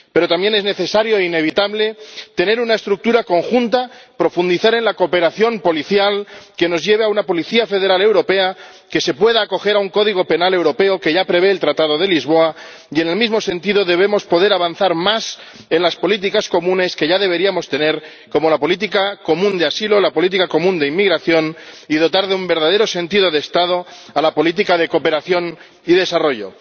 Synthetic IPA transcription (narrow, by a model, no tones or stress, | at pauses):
pe̞ɾo̞t̪ambje̞ne̞zne̞θe̞saɾjo̞eine̞β̞it̪aβle̞t̪e̞ne̞ɾunae̞st̪ɾuk̚t̪uɾako̞ŋxunt̪apɾo̞fund̪iθaɾe̞nlakope̞ɾaθjo̞mpo̞liθjalke̞no̞zʝe̞β̞eaunapo̞liθiafe̞ð̞e̞ɾale̞wɾo̞pe̞a | ke̞se̞pwe̞ðaːko̞xe̞ɾauŋko̞ðiɣ̞o̞pe̞nale̞wɾo̞pe̞o̞ke̞ʝapɾe̞β̞e̞ːlt̪ɾat̪að̞o̞ð̞e̞lizβ̞o̞a | ie̞ne̞lmizmo̞sẽ̞nt̪iðo̞ðe̞β̞e̞mo̞spo̞ð̞e̞ɾaβanθaɾmas | e̞nlaspo̞lit̪̬ikasko̞mũne̞ske̞ʝaðe̞β̞e̞ɾiamo̞st̪e̞ne̞ɾ | ko̞mo̞lapo̞lit̪̬ikako̞mũnd̪easilo̞lapo̞lit̪̬ikako̞mũnd̪eimːiɣɾaθjo̞niðo̞t̪aɾðeumbe̞ɾðað̞e̞ɾosẽ̞nt̪iðo̞ðeːst̪að̞o̞alapo̞lit̪̬ikaðe̞ko̞pe̞ɾaθjo̞n | iðe̞saro̞ʝo̞̰